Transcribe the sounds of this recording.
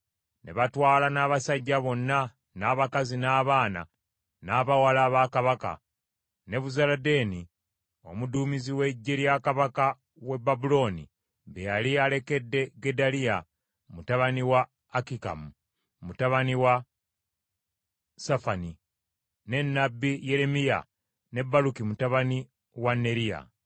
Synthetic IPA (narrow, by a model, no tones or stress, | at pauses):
ne̞̰βatwaːlanaːβasaɟːaβo̞nːa | naːβakazinaːβaːna̰ | naːβawalaːβakaβaka̰ | ne̞βuzalade̞ːni | o̞̰muduːmiziwe̞ɟːeɾjakaβaka | we̞babulo̞ːnḭ | βejaliale̞ke̞dːe̞ɡe̞dalija | mutaβaniwaː | kika̰mu | mutaβaniwa | safani | ne̞nːabːijeɾe̞mija̰ | ne̞bːalukimutaβani | wanːe̞ɾija̰